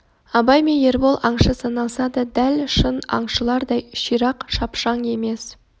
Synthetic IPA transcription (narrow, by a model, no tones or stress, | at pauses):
ɑbɑjmenje̞ɾbolˠʔɑɴʃəsɑnɑlˠsɑd̪əd̪ælʃənɑ̰ɴʃəlˠɑɾd̪ɑjʃijɾɑqʃɑpʃɑɴe̞me̞s